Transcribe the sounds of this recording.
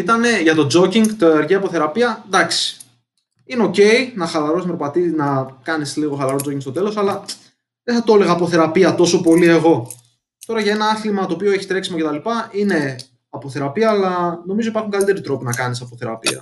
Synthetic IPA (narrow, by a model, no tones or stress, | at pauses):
it̪ɐne̞ʝɐt̪o̞d͡zo̞ciŋɡt̪oɾʝeɐpoθe̞ɾɐpiɐd̪ɐksi̥ | ineo̞ce̞inɐxɐlɐɾo̞smpɾopɐt̪inɐkɐnisliɣo̞xɐlɐɾod͡zo̞ciŋkst̪ot̪e̞lo̞sɐlɐ | ðeθɐt̪o̞le̞ɣɐːpoθe̞ɾɐpiɐt̪o̞so̞po̞lie̞ɣo̞ | t̪o̞ɾɐʝɐe̞nɐɐθlimɐt̪oːpio̞e̞çist̪ɾeksimoce̞t̪ɐlipɐine̞ | ɐpoθe̞ɾɐpiɐːlɐno̞mizo̞ipɐɾxuŋkɐlit̪e̞ɾit̪ɾo̞pinɐkɐnisɐpo̞θe̞ɾɐ̰pḭɐ̰